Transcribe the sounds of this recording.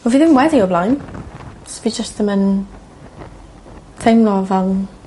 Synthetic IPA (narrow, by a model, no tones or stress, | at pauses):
mɔviðɪvnwɛdioblajn | sb̥id͡ʒəstəmən | tʰejmlɔvɛlˠn